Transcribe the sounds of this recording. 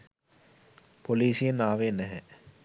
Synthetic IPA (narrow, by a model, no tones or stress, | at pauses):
poliːsijənaːʋenæɦɛ